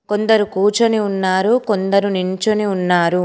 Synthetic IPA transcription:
ko̞nd̪ɐɾukuːt͡ʃɐniunːaːɾuko̞nd̪ɐɾuniɲt͡ʃɐniunːaːɾu

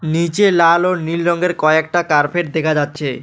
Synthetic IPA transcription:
nit͡ɕelalonilɾɔŋɡeɾkɔek̚ʈakaɾpʰeʈ̚d̪ekʰad͡ʑatːɕʰe

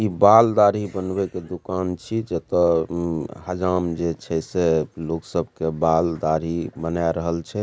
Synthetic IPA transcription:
ibald̪aɾibənbeked̪ukant͡ʃʰid͡ʒet̪ɔ | həd͡ʒamd͡ʒet͡ʃʰɛseloksəbʱkebald̪aɾibənaeɾəɦəlt͡ʃʰɛ

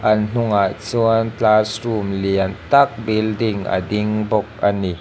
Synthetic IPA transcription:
ʔɐnn̥ʊŋat͡suəntasrumliənt̪ɐk̚bildɪŋə̰diŋbɔk̚əni

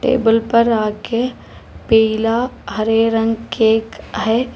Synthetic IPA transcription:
ʈḛːbəlpəɾaːke | pɛɪlaɦəɾeɾə̃ŋɡkeːkɦɛ

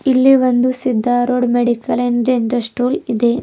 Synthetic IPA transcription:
ilːiʋond̪usid̪ʱːaɾoːɖmeɽikɐlend͡ʒeɳʈɾɐsʈuːlid̪e

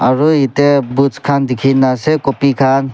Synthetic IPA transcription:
aɾuitebut͡ʃkʰand̪ikʰinːasekɔpikʰan

